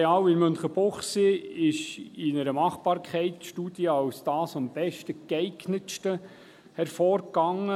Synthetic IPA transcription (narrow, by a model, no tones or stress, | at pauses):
ɑːwɪnmønχəb̥oχsiɪʃɪnəɾəmɑχb̥ɑːɾkʰχɛɪtʃtuːd̥jəɑwsd̥ɑːsɑmb̥ɛʃtəkɛɪɡnətʃtə | hɛɾfɔːɾɡɑŋə